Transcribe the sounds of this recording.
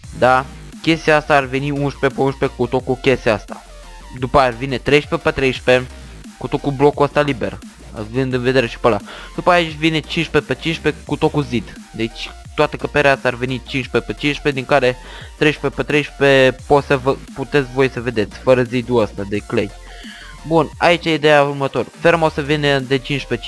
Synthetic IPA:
d̪a | kʲe̞st̪iaast̪aːrve̞niunʃpe̞peunʃpe̞kut̪o̞kukʲe̞st̪iast̪a̰ | d̪upəajavine̞t̪ɾe̞jʃpe̞pet̪ɾe̞jʃpe̞ | kut̪o̞kublo̞kuəst̪alibe̞r | a̰vɨnd̪ɨnve̞d̪e̞ɾeʃi̥pəla | d̪̥upəait͡ʃʲvine̞t͡ʃinʃpe̞pet͡ʃinʃpe̞kut̪o̞kuzid̪ | d̪et͡ʃʲ | t̪oat̪əkəpeɾeast̪arvenit͡ʃinʃpepət͡ʃinʃped̪iŋkaɾe̞ | t̪ɾejʃpepət̪ɾejʃpepot̪səvəput̪et̪sʲvo̞jsəve̞d̪e̞t̪sʲfəɾəzid̪uəst̪ad̪eklejʲ | buna̰it͡ʃjeid̪ejaurmət̪oɾfeɾmosəvined̪et͡ʃinʃpe

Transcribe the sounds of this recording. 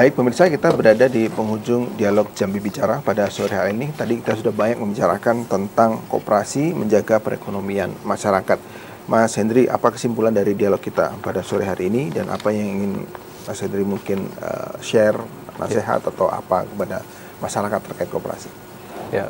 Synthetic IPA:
baɪk̚pəmirsakit̪abəɾadadipəŋud͡ʒʊŋdialɔk̚d͡ʒambibit͡ʃaɾahpadasoɾiɦaɾiːnit̪adikit̪asudahbaɲak̚məmbit͡ʃaɾa̰kant̪ənt̪aŋko̰pəɾasiməɲd͡ʒaɡapəɾḛkonomianmaʃaɾakat̪̚ | masindɾiʔa̰pakə̥simpulandaɾidialɔkːit̪a̰padasoɾiɦaɾiːnida̰nʔa̰pajaŋiŋɪn | asindɾimuŋkɪnə̰ʃɛr | nʔa̰seɦa̰t̪at̪awa̰pa̰kəpada | maʃaɾakat̪ːərkaɪt̪kopəɾa̰si

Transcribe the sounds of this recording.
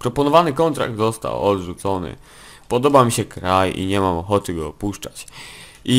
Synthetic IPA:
pɾɔpɔnɔvanɘkɔnt̪ɾa̰ɡ̚d̪zɔst̪a̰wɔd̪ʐut̪sɔnɘ̰ | pɔd̪ɔbamʲiɕɛkɾajḭɲɛmamɔxɔt̪ɘɡɔːpuʂt͡ʂat͡ɕ | i

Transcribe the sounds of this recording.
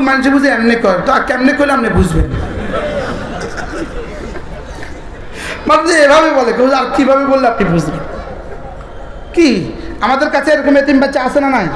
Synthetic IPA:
manĩnʃebud͡ʑʱiɛmnekɔɾt̪ɔakeɛmnekojlamnebud͡ʑʱben | baɾd͡ʑeebʱabebɔlekɔod͡ʑaɾkibʱabebolːeapnibud͡ʑʱben | kiamad̪eɾkat͡ɕʰeɛɾɔkɔmet̪imbatːʃaasenanaj

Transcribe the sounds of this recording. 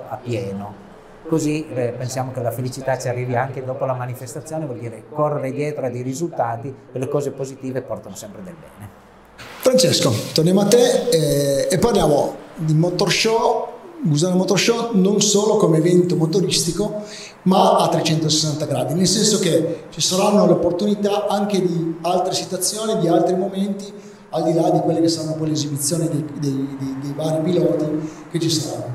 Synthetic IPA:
apːjɛːno | kozipensjaːmok̟elafelit͡ʃit̪at͡ʃiarːiːviaŋk̟ed̪ɔːpolamanifest̪at̪sjoːnevɔljd̪iːɾekorːeɾed̪jɛːt̪ɾoad̪ejɾizult̪aːt̪ikelːekɔːzepozit̪iːvepːɔrt̪anosɛmpɾed̪elbɛːne | fɾant͡ʃeskot̪ornjamat̪ːeː | pːaarljaːmod̪imot̪orʃɔbuzanmot̪orʃɔnonsoːlokomeːvɛnt̪omot̪oɾist̪iko | maat̪ːɾet͡ʃɛnt̪osesːant̪aɡɾaːd̪inelsɛnsok̟et͡ʃisaɾanːoleopːort̪unit̪aaŋk̟ed̪ialt̪ɾesit̪wat̪sːjoːnid̪ialt̪ɾimoment̪i | ald̪ilad̪ikwelːekesːaɾanːopɔjlezibit̪sːjoːnid̪ed̪ejd̪ed̪ejvaːɾipilɔːt̪i | k̟et͡ʃisaɾa̰nːo

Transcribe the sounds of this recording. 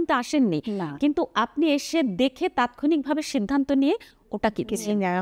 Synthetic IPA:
nt̪oaʃenːinkint̪uapnieʃed̪ekʰet̪at̪kʰonik̚bʱabeʃid̪ʱːant̪onie | oʈakit̪ʰet͡ɕʰe

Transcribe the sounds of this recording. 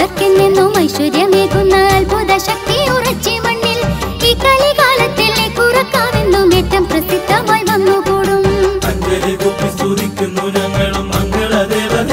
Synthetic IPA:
ɐrkenːenːumɐjsʋɐɾjɐmeːkːunːɐlpoːðɐɕɐk̚t̪iurɐt͡ɕːimɐɳːiliːkːɐlikaːlɐt̪ːilekurɐkːaːmenːumeːtːɐmprɐsit̪ːɐmaːjʋɐnːukoːɽumɐɲdɐðikokːɐmsuːɾikʲːunːunɐŋɡɐɭɐmɐŋɡɐɭɐd̪eːʋɐ

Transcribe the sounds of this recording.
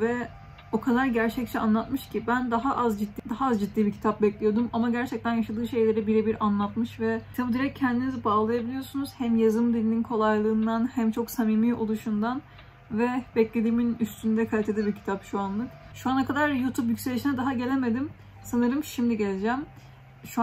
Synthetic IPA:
vɛ | o̞kʰad̪aɾɟæɾt͡ʃʰɛc̚t͡ʃʰɛanlˠat̪mɯʃcʰibænd̪aɦaʔazd͡ʒit̪ːid̪aɦaazd͡ʒid̪ːiːbicʰi̥t̪ʰap̚bɛclʲijo̞d̪umamaɟæɾt͡ʃʰɛc̚t̪ænjaʃad̪ɯːʃe̞jlʲe̞ɾɛbiɾɛbiɾanlˠat̪mɯʃvɛt̪ʰabiːd̪iɾɛc̚cʰːɛnd̪inizibaːlˠajabilʲijo̞sunuz̥hæmjazɯmd̪ilʲininkʰo̞lˠajlˠɯːnd̪anhæmt͡ʃʰo̞ksamiːmiːʔo̞lˠuʃund̪an | vɛbɛclʲed̪iːminyst̪ʰynd̪ɛkʰalʲet̪ʰed̪ibicʰi̥t̪ʰapʃuanlˠɯkʃuanakad̪aɾjuːt̪ʰupjycʲse̞lʲiʃinɛd̪aɦaɟe̞lʲe̞me̞d̪im | sanɯɾɯmʃimd̪iɟe̞lʲed͡ʒæm | ʃu

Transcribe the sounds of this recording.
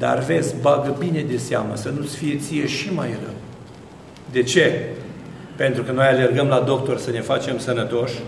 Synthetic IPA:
d̪a̰rve̞t̪sʲbaɡəbine̞d̪e̞seamə̰sənut̪sfije̞t̪sije̞ʃima̰jrə̰ | d̪e̞t͡ʃe̞ | pe̞nt̪ɾukəno̞jale̞rɡəmlad̪o̞k̚t̪o̞rsəne̞fat͡ʃe̞msənət̪o̞ʃʲ

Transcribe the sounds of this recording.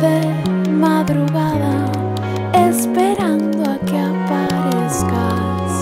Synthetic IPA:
ðe | maðɾuɣaðɐ | espeɾãnd̪ʊakɪapa | ɾeska | s

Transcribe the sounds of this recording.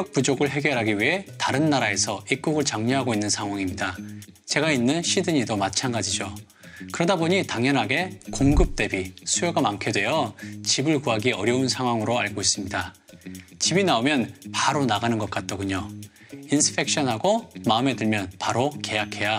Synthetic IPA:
jʌk̚p͈ud͡ʑoɡɯɭɦe̞ɡjʌɾɦaɡiɥiɦe̞taɾɯnːaɾae̞sʰʌik͈uɡɯɭt͡ɕaŋɲoɦaɡoinːɯnsʰaŋɦwaŋimɲida | t͡ɕe̞ɡainːɯnɕʰidɯɲidomat͡ɕʰanɡad͡ʑid͡ʑo | kɯɾʌdaboɲitaŋɲʌnɦaɡe̞koŋɡɯp̚t͈e̞bisʰujoɡamankʰjodwe̞jʌt͡ɕibɯɭkuɦaɡiʌɾjʌunsʰaŋɦwaŋɯɾoaɭɡois͈ɯmɲida | t͡ɕibinaomjʌnpaɾonaɡanɯnɡʌt̚k͈at̚t͈ʌɡuɲo | insʰɯ̥pʰe̞k̚ɕ͈ʌnɦaɡomaɯme̞dɯɭmjʌnpaɾoke̞jakʰe̞ja

